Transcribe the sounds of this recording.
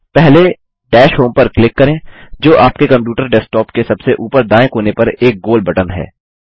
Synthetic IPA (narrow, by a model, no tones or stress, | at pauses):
ʈpɛɦle | ʈɛːʃɦoːmpɐɾklɪkːɐɾẽːd͡ʒoːʔaːpkekɐ̃mp̬juːʈəɾɖɛːsʈɔːpkesɐbseʔuːpəɾd̪aːẽkoːnepɐɾeːk̚ɡoːlbɐʈənɦɛ̰ː